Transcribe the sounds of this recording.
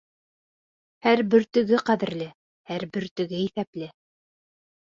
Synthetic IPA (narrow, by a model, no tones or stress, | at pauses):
hæɾbɘ̆ɾt̪ɵ̆ɡɘqæðɘ̆ɾlɘ | hæɾbɘ̆ɾt̪ɵ̆ɡɘiθæplɘ